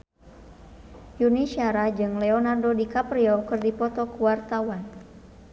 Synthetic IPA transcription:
juniʃiaɾad͡ʒɨŋlɛonardodikapɾiɔkɨrdipɔt̪ɔkuwart̪awan

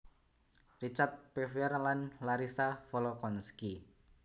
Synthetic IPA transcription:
rit͡ʃart̪̚pefɛrlanlaɾisafɔlɔkɔnski

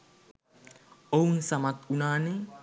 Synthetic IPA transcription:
ownsamat̪̚unani

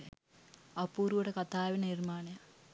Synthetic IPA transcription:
ɐpuːɾuʋəʈəkɐt̪aːʋinənirmaːnejɐ

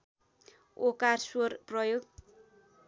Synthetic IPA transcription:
okarsworprʌjoɡ

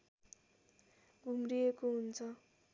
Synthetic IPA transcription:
ɡʱumrijekoɦunt͡sʰʌ

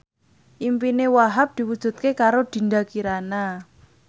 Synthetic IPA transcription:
ʔimpinewaɦap̚d̪̥i̤wud̥ʒ̥ṳt̪̚kekaɾod̪̥i̤nd̪akiɾana

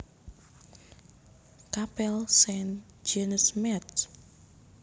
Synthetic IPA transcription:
kapɛlsɛnd͡ʒɛnsmɛt̪

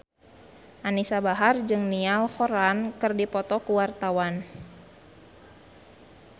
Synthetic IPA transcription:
ʔanisabaɦard͡ʒɨŋnialhɔɾankɨrdipɔt̪ɔkuwart̪awan

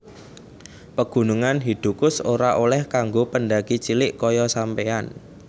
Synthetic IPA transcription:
pəɡ̥ṳnuŋanɦid̪̥ṳkʊsoɾaʔolɛhkaŋɡopənɖaɡ̥it͡ʃilɪʔkɔjɔsampean

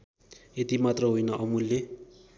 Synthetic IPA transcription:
et̪imat̪rʌɦujnʌʔʌmulːe

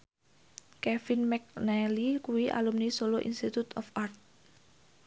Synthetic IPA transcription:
kɛfinmɛk̚nɛlikuiʔa̰lumnisoloʔḭnst̪it̪ut̪ɔfart̪̚

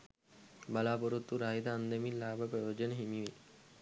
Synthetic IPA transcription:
bɐlaːpɔɾut̪ːuɾaːid̪aɐnd̪emilaːbʱɐpɾɐjoːd͡ʒɔnɦimiʋe

